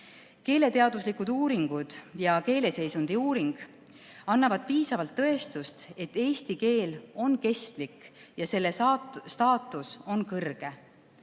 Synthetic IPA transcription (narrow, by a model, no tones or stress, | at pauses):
ke̞ːle̞t̪e̞ɑd̪uslikud̪̥uːɾiŋɡ̥ud̪̥jɑke̞ːle̞se̞jsund̪̥iuːɾiŋɡ̥ | ɑnːɑvɑd̪̥̚piːsɑvɑlt̪ːɤ̞e̞st̪ust̪e̞t̪ːe̞ːst̪ike̞ːlo̞nke̞st̪likjɑse̞lːesst̪ɑːt̪ːˑuso̞nkɤrɡ̥e̞